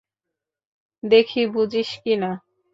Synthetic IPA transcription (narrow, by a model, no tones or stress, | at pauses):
d̪ekʰibud͡ʑiʃkina